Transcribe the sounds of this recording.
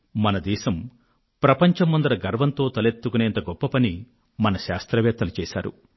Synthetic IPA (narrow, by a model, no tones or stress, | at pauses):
mɐnɐd̪ɛːʃɐm | pɾɐpɐɲt͡ʃɐmːɐnd̪ɐɾɐɡɐɾʋɐnt̪o̞ːt̪ɐlet̪ːukuneːnt̪ɐɡɔpːɐpɐni | mɐnɐʃaːst̪ɾɐʋɛːt̪ːɐlit͡ʃɛːʃa̰ːɾṵ